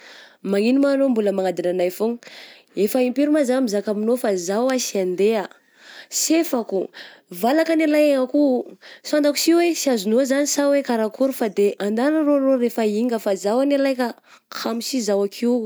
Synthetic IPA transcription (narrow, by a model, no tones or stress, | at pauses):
maŋinimanombuləmaŋad̪inanajfoŋ | efaimpiɾumazamizakaminofazawasiand̪ea | sefakuvalakanalajeŋakusand̪aku̥siwesiazunozanisawekaɾakʰuɾufad̪eʔand̪anəroɾoɾefaiŋɡəfazawanalajka | kʰamisizawakʰiw